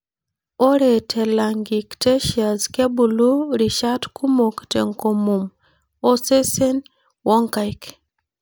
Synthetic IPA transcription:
o˦ɾe˨tʰɛ˨la˨ŋɡi˨kte˦ʃia˨ske˦bu˨lu˦ɾi˨ʃa˦tku˦mo˨ktḛ˨ŋko˨mu˨m | o˦se˦se˦n | wɔ˦ŋka˨jk

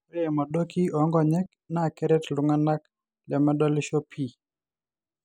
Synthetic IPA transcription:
ɾɛ˦ɛ˨ma˨do˦ki˦ɔ˨˦ŋɡɔ˦˨ɲɛ˦k̚ | na˦˨kɛɾɛ˦tlʊ˦ŋa˦na˦k | lɛ˨ma˦dɔ˦lɪʃo˦pʰi˨

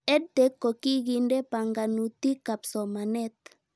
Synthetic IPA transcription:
ɛ˦dɛ˨˦kːo˨ki˦ɣi˦ndɛ˦pa˨ŋɡa˨nu˨t̪i˦ka˨psɔ˨ma˨nɛ˦t̪

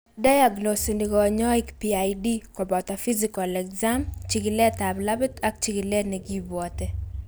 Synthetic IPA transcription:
da˦ja˨ɡno˨si˨ni˨ɡɔ˨ɲɔ˦ɪ˦kpia˨jdi˦kɔ˨bɔ˨t̪a˨fi˦zi˨kɔ˨lɛ˨kza˦mt͡ʃi˨ɡi˨lɛ˦ta˨bla˦bɪ˦ta˦k̚t͡ʃiɡi˨lɛ˦nɛ˨ɡi˦bwɔ˨t̪ɛ˦

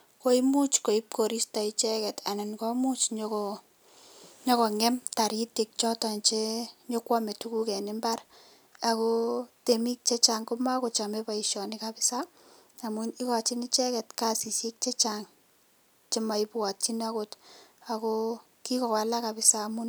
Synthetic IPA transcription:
ko˦i˦mu˦t͡ʃko˨i˦p̚ko˨ɾi˦sta˨i˦t͡ʃɛ˦kɛ˨ta˨nɪ˨nkɔ˦mu˦t͡ʃɲoko | ɲɔ˦kɔ˨ŋɛ˦mta˨ɾi˦ti˨k̚t͡ʃɔ˦ta˨nt͡ʃeɲo˦kwa˦me˨tu˦ku˦kɛ˨nɪ˦mba˦r | a˨ko˦temi˦k̚t͡ʃe˦t͡ʃa˨ŋko˦ma˦kot͡ʃa˨me˦ba˨iʃɔ˨nɪkapɪ˦sa˦ | a˨muni˦kɔ˨t͡ʃi˦ni˦t͡ʃɛ˦kɛ˨tka˦si˨si˦k̚t͡ʃe˦t͡ʃaŋ | t͡ʃe˦ma˨i˦pwa˨tt͡ʃi˦na˦kota˨ko˦ | ki˦kɔ˨ka˨la˦ka˨pɪ˦sa˦mu˦n

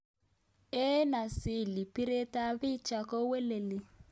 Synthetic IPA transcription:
e˦na˨sɪ˨li˨pi˦ɾe˦ta˦βɪ˦t͡ʃa˨ko˦we˦le˨li˨

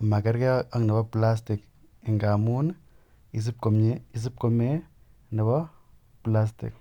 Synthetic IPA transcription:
ma˨kɛ˦ɾkɛ˦a˦ŋna˨bɔ˦pla˦s̬ti˨k | ɪ˨ŋɡa˨mu˦n | i˨s̬i˦p̚ko˨mɲe˦i˨s̬i˦p̚ko˦me˦ | nɛ˨bɔ˦ | pla˦s̬tḭ˨k̚

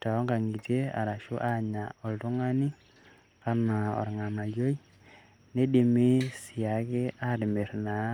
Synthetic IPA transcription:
ta˨ɔ˦ŋɡa˨ŋi˨te˦a̰˨ɾa˨ʃʊ˦ʔa˦ɲa˨ɔ˨ltʊ˦ŋa˦ni˦ | ka˦na˨ɔ̰˨ɾŋa˨na˨jo˦i˦ | ne˦di˨mɪ˦si˨a˨kɪ˦a˦ɾɪ˨me˨ɾna˨˦

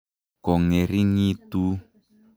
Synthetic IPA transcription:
kɔ˨ŋɛ˨ɾi˦ŋi˦tu˦

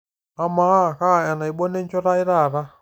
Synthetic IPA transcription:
a˦ma˦˨ka˦˨a˨na˨i˨ɓɔ˦nɛ˦ɲt͡ʃɔ˦ɾa˦i˦ɾa˦˨ɾa˦

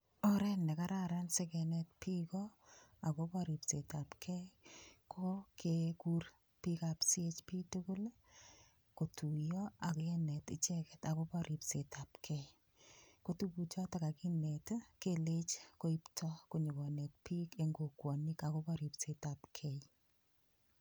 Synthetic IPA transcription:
ɔ˦ɾɛ˦nɛ˨ka˦ɾaɾa˦nse˦kɛ˨nɛ˦t̚pi˦kɔa˨ko˦pɔɾi˨pse˨ta˨pkʰɛ˦jkʰokeku˦r | pika˨psie˦t͡ʃpi˦tu˦kʊ˦l | ko˨tʰu˨jɔa˨kɛ˦nɛ˨tɪ˦t͡ʃɛ˦kɛ̥˨ta˨ko˦pɔ˦ɾʔi˨pse˨ta˨pkʰɛj | ko˦tubu˨t͡ʃɔ˦taka˨ki˦ne˨tkelet͡ʃko˦i˦ptʰɔ˦ko˨ɲʊ˨ɡɔ˨ne˨t̚pi˦ke˦ŋɡo˨kwɔ˨nika˨ko˦pɔ˦ɾi˨pse˨ta˨pkʰɛj

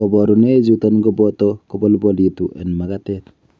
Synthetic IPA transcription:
ɔ˨bɔ˨ɾu˨ne˦d͡ʒu˦tɔ˦nɡɔ˦bɔtɔko˦bɔ˦lbɔli˨tuʔɛ̰˨nma˨katɛ˦t

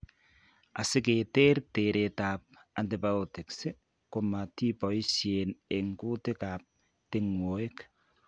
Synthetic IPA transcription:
a˨sɪ˦ke˨teː˦ɾteɾʔe˨taː˨p̚a˨nti˨ba˨otɪ˨ksɪ˦ | ko˨ma˨ti˦pɔ˨i˦ʃje˨ne˨ŋku˦tɪ˦kaː˨p̚ | tɪ˦ŋwo˨e˦k

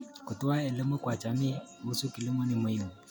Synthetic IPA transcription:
kʊ˨tʼʊ˦wa˦ɪ˨lɪ˦mʊ˦kwa˨t͡ʃʼa˨nɪ˦ʊ˦sʊ˦kʼɪ˨lɪ˦mʊ˦nɪ˨mʊ˨jɪ˨ŋʊ˨

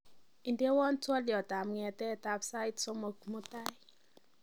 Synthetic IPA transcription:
i˨nde˦wɔ˦ntwɔ˦ljɔ˨ta˨mŋɛ˨tɛ˦˨ta˦psa˦jtsɔ˦mɔ˨kmʊ˦ta˦j

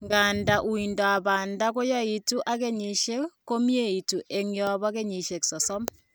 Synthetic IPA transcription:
ŋɡaː˨nda˨ʔu˨i˨ndɔ˨a˨ba˨nda˦ko˦ja˦i˨tu˦ʔa˦ke˦ɲi˨ʃe˦kko˦mje˦˨i˨tu˨ʔe˨ŋjɔ˨βɔ˦ke˦ɲi˨ʃe˨ksɔ˨sɔ˦m

